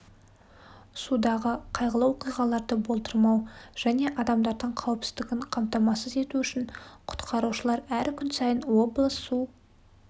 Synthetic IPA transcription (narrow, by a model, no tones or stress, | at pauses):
sud̪ɑʁəqʰɑjʁəlˠɑwoqijʁɑlˠɑɾd̪əbo̞lˠt̪əɾmɑwʒ̥æne̞ʔɑd̪ɑmd̪ɑɾd̪əɴqʰɑwəpsɪzd̪ɪɡʲɪɴqʰɑmt̪ɑmɑsəze̞t̪uʏʃɪɴqʰʊ̥t̪qʰɑɾuʃəlˠɑɾæɾkʲʰʏnsɑjənwo̞blˠəsːu